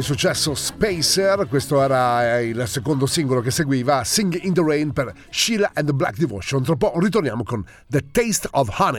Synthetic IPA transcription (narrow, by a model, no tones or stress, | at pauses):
isut͡ʃːɛsːospejserkwest̪oɛːɾailsekond̪osiŋɡolok̬esːeɡwiːvasiŋɡind̪əɾejnper | ʃilaʔɛ̃nd̪bla̰kd̪ivoʃont̪ɾapɔrit̪̬ornja̰ːmokon | d̪et̪ɛst̪ɔvhani